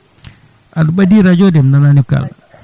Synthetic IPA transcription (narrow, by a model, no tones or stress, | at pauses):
ʔaduɓadiɾad͡ʒɔdɛmnananika̰l